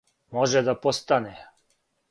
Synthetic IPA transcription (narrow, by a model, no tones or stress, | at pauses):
moʒɛd̪apost̪anɛ